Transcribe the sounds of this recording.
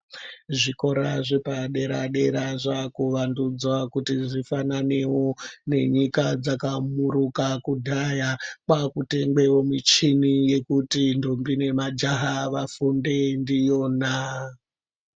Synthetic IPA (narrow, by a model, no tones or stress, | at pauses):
ʐiko̞ɾaʐepaɗe̞ɾa̰ɗe̞ɾaʐakuʋandud͡zwakutiʐifananewone̞̰ɲikad͡zakamuɾukakudʱajakwakute̞ŋbe̞womit͡ʃinije̞kutindombine̞mad͡ʒaɦaʋafunde̞ndijo̞na